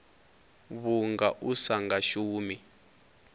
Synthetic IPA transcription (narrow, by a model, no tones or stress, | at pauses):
βuŋɡaʔusaŋɡaʃuːmi